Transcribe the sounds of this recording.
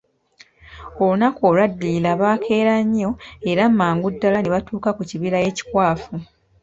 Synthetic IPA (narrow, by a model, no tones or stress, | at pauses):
o̞lunakoːlwadːilaβaːkʰe̞ːɾaɲːo̞e̞ɾamːaːŋɡudːalaneβatuːkakuciβilaje̞ci̥kwaːfu